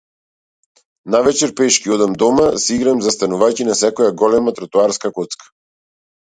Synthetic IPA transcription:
navɛt͡ʃɛɾpɛʃkiɔd̪amd̪ɔmasiɡɾamzast̪anuvajcinasɛkɔjaɡɔlɛmat̪ɾat̪uaɾskakɔt̪skḁ

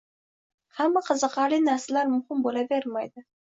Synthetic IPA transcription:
hamːaqʰəzəqɑlijnaɾsɪlaɾmʊχɪmbolaveɾmajd̪ɪ

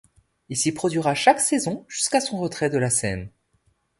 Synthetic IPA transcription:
ilsipχɔd̪ɥiʁaʃaksɛzɔ̃ʒyskasɔ̃ʁət̪χɛd̪əlasɛn

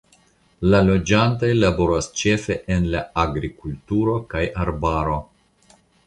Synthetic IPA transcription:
lalo̞d͡ʒantajlaboɾast͡ʃe̞fe̞ʔenlaːɡɾikultuɾo̞kajaɾbaɾo̞

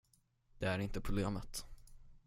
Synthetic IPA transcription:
d̪̥ɛæɾɪnt̪əpʰɾʊbleːmət̪

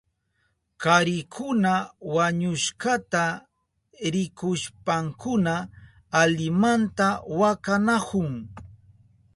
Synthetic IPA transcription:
kaɾɪkʰʊnawaɲʊʃkat̪a | ɾɪkʊʃpaŋkʊnaː | ʎɪmant̪awakanakʊŋ

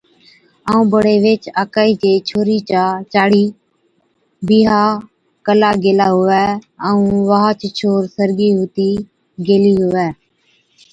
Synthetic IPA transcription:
aːũːbəɽeːʋeːt͡ʃaːkaːiːd͡ʒeːt͡ʃʰoːɾiːt͡ʃaːt͡ʃaːɽiː | biːɦaː | kəlaːɡeːlaːɦʊʋɛːəːũːʋaːɦaːt͡ʃːt͡ʃʰoːɾsəɾɡiːɦʊːt̪iː | ɡeːliːɦʊʋɛː

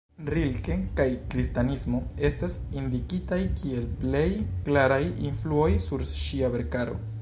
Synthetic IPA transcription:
ɾilkekajkɾistanismo̞e̞stasindikitajkʰie̞lple̞jklaɾajinfluo̞jsuɾʃiave̞ɾkaɾo̞̰

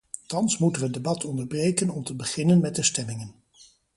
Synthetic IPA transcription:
tɑnsmutənʋədebɑtʰɔndəɹbrejkənɔmtəbəχɪnənmɛt̚dəstɛmɪŋən

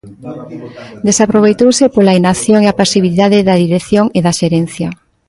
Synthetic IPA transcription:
d̪esapɾoβ̞ejt̪owsepolainaθjoŋeapasiβiliðaðɪðaðiɾeθjoŋeðaʃeɾenθjɐ

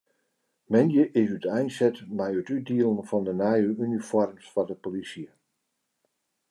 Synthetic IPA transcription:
mɛndjəʔɪsytɛjnsɛtmɛjətyt̚diəlˠənfɔndənaːjəynifɔrmsfɔdəpolisjə

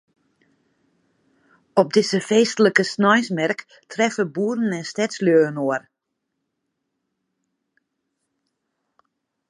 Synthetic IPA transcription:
ɔp̚dɪzəfeːstələkəsnɔjsmɛrk | tʰrɛfəbuːrən̩ɛnstɛtsljøːənoər

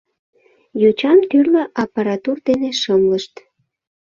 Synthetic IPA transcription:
jot͡ɕɑmt̪yrləʔɑpɑɾɑt̪urd̪eneʃəmləʃt̪

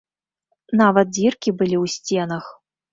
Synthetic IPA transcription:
navɐt̪̚d͡zʲirkʲibɨlʲiwsʲt͡sʲɛnɐx

